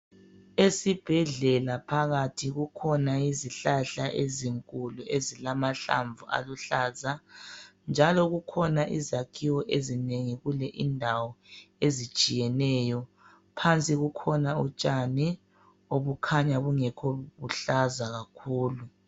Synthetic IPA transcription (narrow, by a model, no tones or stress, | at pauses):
esib̥ʱɛɮɛlapʰaɣatʰiɣukʰɔnaiziɬaɬaʔeziŋkʼuluʔezilamaɬa̰ɱbvuʔa̰luɬaːza | nd͡ʒʱalɔɣukʰɔnaʔḭzakʰiwɔʔezineŋiɣulɛʔindʱawɔezit͡ʃʼijɛnɛjɔ | pʰant͡sʼiɣukʰɔnaṵt͡ʃʼani | oβukʰaɲaβuŋɛkʰɔβuɬazaɣakʰuːlu